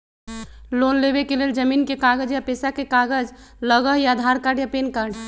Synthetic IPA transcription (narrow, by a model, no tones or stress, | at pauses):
lonleβekeleld͡ʒəminkekaɡəd͡ʒjapesakekaɡəd͡ʒ | ləɡəɦjad̪ʱaɾkaɖjapenkaɖ